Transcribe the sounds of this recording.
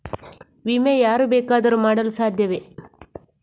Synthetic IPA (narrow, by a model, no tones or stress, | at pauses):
ʋimejaːɾubɛːkaːd̪ɐɾumaːɽɐlusaːd̪ʱjɐʋe